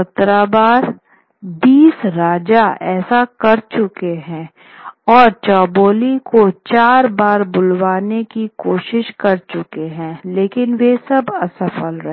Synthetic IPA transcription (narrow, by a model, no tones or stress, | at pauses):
ɐt̪ɾabaːɾ | biːsɾaːd͡ʒaɛːsakɐɾt͡ʃʊkeɦɛ̃ː | ɔːɾt͡ʃɔːboːlikot͡ʃaːɾbaːɾbʊlwaːnekikoːʃɪʃkɐɾt͡ʃʊkeɦɛ̃ːleːkɪnʋesɐbɐsɐfəlɾɐɦ